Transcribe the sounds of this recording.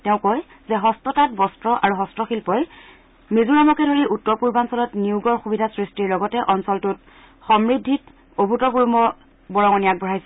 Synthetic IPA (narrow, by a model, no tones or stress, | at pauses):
tɛʊ̃koj | zɛɦɔstɔtat̚bɔstɹɔʔa̰ɹuɦɔstɹɔxilpɔj | mizuɹamɔkɛdʱoɹiʔutːɔɹpuɹbansɔlɔtniuɡɔɹxubidʱasɹistiɹlɔɡɔtɛʔɔnsɔltut | xɔmɹidʱːit | obʱutɔɡuɹumɔ | bɔɹɔŋɔnijak̚bɔɹajsɛ